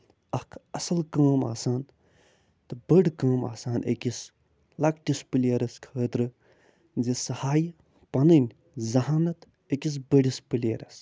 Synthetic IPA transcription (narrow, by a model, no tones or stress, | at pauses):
ɐhkʰɐsɐlkaːma̰ːsaːn | t̪ɨbɐɖkaːma̰ːsaːnʔḛkis | lɐkʈispɨleːɾɐskʰəːt̪ɾɨ | zisɐhaːj | pɐnɐnʲ | zɐɦaːnɐt̪ | ekis̬bɐɽispɨlḛːɾɐ̰s